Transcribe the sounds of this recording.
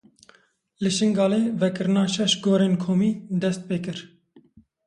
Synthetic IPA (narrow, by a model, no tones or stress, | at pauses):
lɨʃɨŋɡɑːleːvɛkɨɾɨnɑːʃɛʃɡoːɾeːnkʰoːmiːd̪ɛst̪̚peːkɨɾ